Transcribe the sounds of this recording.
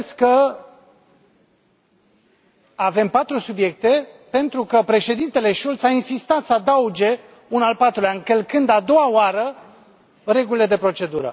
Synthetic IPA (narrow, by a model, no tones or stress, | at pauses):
skə | ave̞mpat̪ɾusubje̞k̚t̪e̞pe̞nt̪ɾukəpɾe̞ʃe̞d̪int̪e̞le̞ʃult̪sainsist̪at̪səad̪aud͡ʒe̞ | unalpat̪ɾuleankəlkɨnd̪ad̪o̞waoaɾə | re̞ɡulile̞d̪e̞pɾo̞t͡ʃe̞d̪uɾə̰